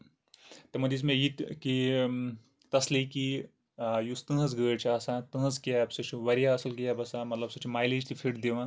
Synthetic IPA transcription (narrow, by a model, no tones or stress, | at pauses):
t̪ɐmɐd͡ʒis̬mẽjit̪ki | t̪ɐsliki | just̪ɨɦɐzɡəːɾt͡ʃʰiɐsãːt̪ɨnɐzkijabsɨt͡ʃʰiʋɐɾijaɐsɐlkijabɐsamɐt̪lɐbsɨt͡ʃʰimaːjled͡ʒt̪ʰifʰiʈd̪eʋãː